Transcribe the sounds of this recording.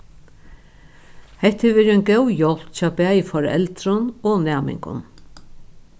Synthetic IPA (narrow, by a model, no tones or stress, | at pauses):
hɛht̪hɪʋɛːɾɪɔjnɡɛwjɔl̥t̪t͡ɕɑːbæːjfɔɾɛ̰lt̪ɾʊnɔnɛːmɪ̰ŋkʊ̰n